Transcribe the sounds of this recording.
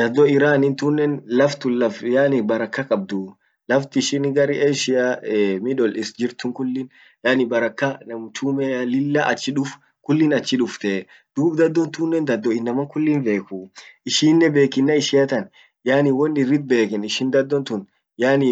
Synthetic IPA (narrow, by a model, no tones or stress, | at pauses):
d̪̥ɐd̪ːɔɪɾaːnɪnt̪unːɛnlɐft̪ʊnlɐfjaːnɪbɐɾɐkːɐkʼɐb̚d̪ʊ | lɐft̪ɪɪʃɪnɡɐɾiʔeʃɪaɛmɪᶑɔlɪsd͡ʒɪɾt̪ʊŋkʊlːɪn | jaːnɪbɐɾɐkːɐnɐmt͡ʃumɛalɪlːɐʔɐ̰t͡ʃːɪᶑʊf | kʊlːɪnɐt͡ʃːɪᶑʊft̪ɛ | d̪̥uːbd̪ɐd̪ːɔnt̪unːɛnd̪ɐd̪ːɔɪnːɐmɐŋkʊlːɪnbe̞ːkʊʔɪʃɪnːɛbe̞ːkɪnːɐɪʃɪjɐt̪ɐn | jaːnɪwɔnɪrːɪd̪̚be̞ːkɛnɪʃɪnd̪ɐd̪ːɔnt̪ʊn | jaːnɪ